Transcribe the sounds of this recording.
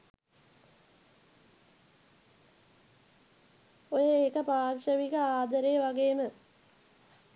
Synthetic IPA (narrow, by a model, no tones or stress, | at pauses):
ojeːkəpaːɾʃəʋikəaːd̪ɐɾeːʋaɡeːmə